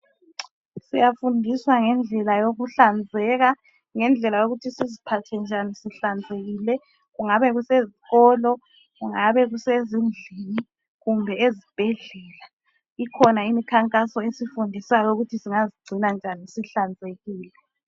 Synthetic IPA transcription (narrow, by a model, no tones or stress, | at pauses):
sijafundʱiswaŋɛnd͡ɮʱɛlajoɣuɬand͡zʱɛɣa | ŋɛnd͡ɮʱɛlajoɣutʰisizipʰatʰɛnd͡ʒʱanisiɬand͡zʱeɣiːlɛ | ɣuŋaβɛɣuseziɣɔːlɔ | ɣuŋaβɛɣusezind͡ɮʱini | ɣumbʱɛezib̥ʱɛɮɛla | ikʰɔnaimikʰaŋkʼasɔesifundʱisajɔuɣutʰisiŋaziɡ͡ǀʱinand͡ʒʱanisiɬand͡zʱeɣiːlɛ